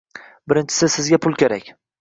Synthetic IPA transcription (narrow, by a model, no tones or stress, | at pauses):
bɪɾɪnt͡ʃʰɪ̥sɪsɪzɡʲapʰʊlˠkʲeɾakʲ